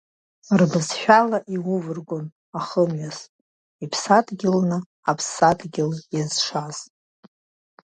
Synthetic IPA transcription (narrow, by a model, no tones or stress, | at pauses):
rbɨzħᶣalaʔiwʊvɨrɡʷon | aχəmɥas | ipʰsatʰʼɡʲɪlnɨ | apʰsːatʰɡʲɪljazʂaz̥